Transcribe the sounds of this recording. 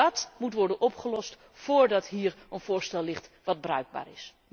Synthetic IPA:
ɑtmutʋɔɹdənʔɔpχəlɔst | foːɹdɑtɦiːɹənv̥ʊːɹstɛlˠːɪχtʋɑd̚brœ̰ɥɡ̚ba̰ːɹɪs

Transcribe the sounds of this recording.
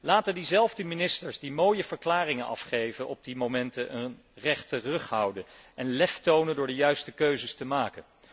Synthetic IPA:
laːtəndizɛlˠvdəminɪstəɹzdimoːjəvəɹklaːrɪŋənɑ̰fχejvənʔɔb̚dimomɛntəʔənn | rɛχtərɵχɦʌwdənɛnlɛftownəndʊːɹdəjœɥstəkøɥzəstəmaːkən

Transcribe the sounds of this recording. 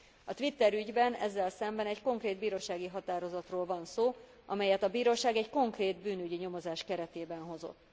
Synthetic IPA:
ɒt̪ʋit̪ːɛɾyɟbɛnɛ̰zːɛlsɛmbɛnɛɟko̞ŋkreːd̪̚biːɾoːʃaːɡiɦɒt̪aːɾo̞zɒt̪roːlvɒnsoː | ʔɒ̰mɛjɛt̪ɒbiːɾoːʃaːɡɛɟko̞ŋkreːd̪byːnyɟiɲo̞mo̞zaːʃkɛɾɛt̪eːbɛnɦo̞zo̰t̪ː

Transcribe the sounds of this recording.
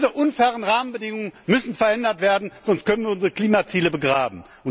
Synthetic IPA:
zəʔʊnfɛːʁənʁaːmənbədɪŋʊŋənmʏsn̩fɛɐʔɛndɐtv̥eːɐdn̩z̥ɔnst̚kʰœnənviːɐʊnzəʁəkl̥iːmat͡siːləbəɡʁaːbm̩ | ʔʊn

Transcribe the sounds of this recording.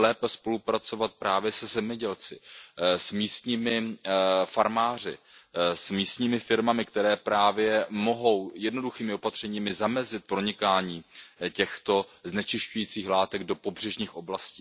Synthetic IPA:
lɛːpɛspo̞lupɾat͡so̞vat̪̚pɾaːvjɛsɛzɛmɲɛɟɛlt͡sɪsmiːst̪ɲiːmɪ | faɾmaːr̝ɪ̰smiːst̪ɲiːmɪfɪɾmamɪkt̪ɛɾɛːpɾaːvjɛmo̞ɦo̞wjɛdno̞duxiːmɪo̞pat̪r̝̥ɛɲiːmɪzamɛzɪt̪̚pɾo̞ɲɪkaːɲiːcɛxt̪o̞znɛt͡ʃɪʃcujiːt͡siːxlaːt̪ɛɡdo̞po̞brɛʒɲiːxʔo̞blasciː

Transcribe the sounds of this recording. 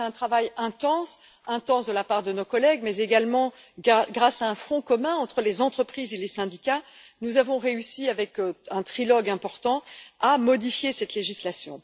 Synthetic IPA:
ɛ̃t̪χavajɛ̃t̪ɑ̃s | ɛ̃t̪ɑ̃sd̪əlapaʁd̪ənokɔlɛɡmɛzeɡalmɑ̃ | ɡʁasaɛ̃fχɔ̃kɔmɛ̃ɑ̃t̪χəlezɑ̃t̪χəpχizelesɛ̃d̪ika | nuzavɔ̃ʁeysiavɛkɛ̃t̪χilɔɡɛ̃pɔʁt̪ɑ̃amɔd̪ifjesɛt̪leʒislasjɔ̃

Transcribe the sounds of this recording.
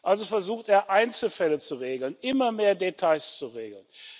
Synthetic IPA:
ʔalzofɛɐzuːxteːɐʔaɪnt͡sl̩fɛlət͡suʁeːɡl̩nʔɪmɐmeːɐdetʰaɪst͡suʁeːɡl̩n

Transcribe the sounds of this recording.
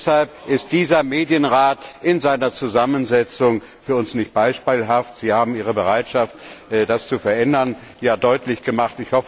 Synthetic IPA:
shalpʔɪst̚d̥iːzɐmeːdjənʁaːtʔɪnzaɪnɐt͡suzamənzɛt͡sʊŋ | fyːɐʊnsnɪçt̚b̥aɪʃpiːlɦaftz̥iːhaːbm̩iːʁəbəʁaɪtʃaftːdast͡sufɛɐʔɛndɐn | jaːdɔʏtlɪçɡ̥əmaχtɪçhɔfə

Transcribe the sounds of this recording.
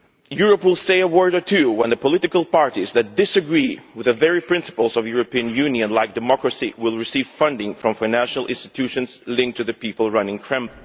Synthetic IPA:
juɹəpwɪlˠseɪəwɜ˞ɾə˞tʰʉwə̃nðəpɔlɪɾɨkəlˠpɑɹɾizðɨt̚d̥ɪsɨɡɹiwɨðɨvɛɹipʰɹ̥ɪ̃nsə̥pəlˠzʌvjuɹɨpiɨ̃njʉ̃njɨ̃nlaɪk̚d̥ɨmɔkɹɨsḭwɪlˠɹɨsiv̥fʌ̃ndɪ̃ŋfɹʌ̃ɱfãɪnæ̃nʃl̩ˠʔɪ̰̃nstɨ̥tʰʉʃɨ̃nz̥lɪ̃ŋk̚tʰɨðɨpipəl̩ˠɹʌ̃nɪ̃ŋkʰɹ̥ɛ̃m

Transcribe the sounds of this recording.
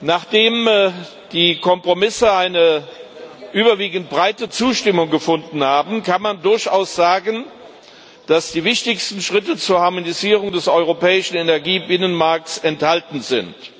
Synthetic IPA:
naːχd̥eːm | d̥iːkʰɔmpʁ̥omɪsəaɪnə | ʔyːbɐviːɡn̩t̚b̥ʁaɪtət͡suːʃtɪmʊŋɡəfʊndn̩haːbn̩kʰanmandʊɐçaʊsz̥aːɡən | d̥asd̥iːvɪçtɪçstn̩ʃʁ̥ɪtət͡suːɐhaɐmoniziːʁʊŋdɛsʔɔʏʁopɛːɪʃn̩enɛɐɡiːbɪnənmaɐk̚tsɛnthaltn̩zɪnt

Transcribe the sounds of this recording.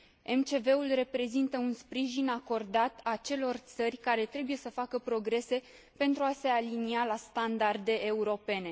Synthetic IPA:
e̞mt͡ʃe̞ve̞ulre̞pɾe̞zint̪əunspɾiʒinako̞rd̪at̪at͡ʃe̞lo̞rt̪sərʲkaɾe̞t̪ɾe̞buje̞səfakəpɾo̞ɡɾe̞se̞ | pe̞nt̪ɾuase̞alinialast̪and̪ard̪e̞ʔeuɾo̞pe̞ne̞

